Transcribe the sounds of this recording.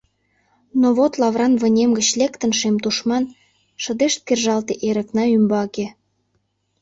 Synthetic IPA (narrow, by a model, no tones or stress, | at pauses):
noβot̪lɑvrɑnβə̆nʲemɡət͡ɕlekt̪ə̆nʃemt̪uʃmɑn | ʃə̆d̪eʃt̪̚kerʒɑlt̪eʔeɾə̆knɑymbɑke